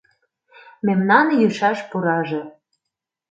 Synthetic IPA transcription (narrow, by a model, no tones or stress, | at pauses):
memnɑnjyʃɑʃpuɾɑʒĕ